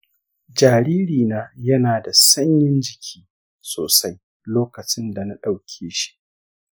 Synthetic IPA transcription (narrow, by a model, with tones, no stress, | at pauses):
d͡ʒaː˨ɾiː˦ɾiː˨naː˦jɐ˦naː˨da˨sɐ˦ɲjɪ˦nd͡ʒɪ˨kʲʰiː˦ | soː˨sa˦j | loː˦kɐ˨t͡ʃɪ˦nda˨na˦ɗa˨wkʲʰeː˦ʃi̥˦ʔ